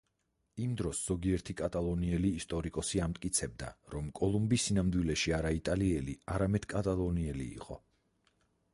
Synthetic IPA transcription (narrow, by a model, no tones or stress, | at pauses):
imd̪ɾɔsz̥ɔɡiɛɾt̪ʰikʼat̪ʼalˠɔniɛliːst̪ʼɔɾikʼɔsiamt̪ʼkʼit̪sʰɛb̚d̪a̰ɾɔmkʼɔlˠumbisinamd̪wilɛʃiaɾait̪ʼaliɛliaɾamɛd̪̥kʼat̪ʼalˠɔniɛlḭːqʼɔ